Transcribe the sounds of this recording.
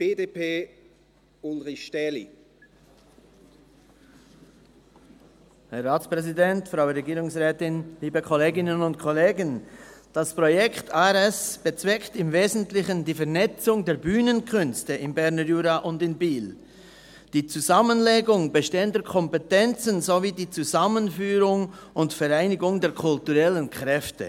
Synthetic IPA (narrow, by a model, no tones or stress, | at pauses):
b̥eːdepeː | ʊlʁɪçʃtɛlḭ | hɛʁaːt͡spʁɛzidɛntfʁaʊəɾeɡiːɾʊŋsʁɛːtɪnliːbəkʰɔleːɡɪnənʊntkʰɔleːɡənd̥aspʁojɛktaɛʁɛsb̥ət͡sv̥ɛktɪmveːzn̩tlɪçəndiːfɛɐnɛt͡sʊŋdeːɐbyːnənkʰʏnstəɪmbɛɾnəjuːɾaʔʊndɪnbiːl | d̥iːt͡suzamənleːɡʊŋbəʃteːəndəkʰɔmpetɛnt͡sənzoviːdiːt͡suzamənfyːɾʊŋʊntfɛɾaɪnɪɡʊŋdeːɐkʰʊltuʁɛlənkʰʁ̥ɛftə̰